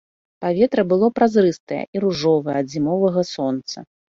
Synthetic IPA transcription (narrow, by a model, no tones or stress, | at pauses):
pavʲɛt̪ɾɐbɨlˠɔpɾazɾɨst̪ɐjɛ̰ʔiɾuʐɔvɐjɛɐd̪zʲimɔvɐɣɐsɔnt̪sɐ̰